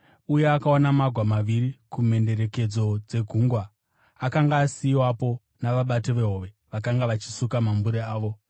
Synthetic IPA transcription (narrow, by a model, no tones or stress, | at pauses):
uje̞akaonamaɡʱwamaʋiɾikume̞nde̞ɾe̞ke̞d͡zo̞d͡ze̞ɡʱuŋɡwaː | kaŋɡaːsiwapo̞ | naʋaɓatoʋe̞ɦoʋe̞ | ʋakaŋɡaʋat͡ʃi̥sukamambuɾeaːʋo̞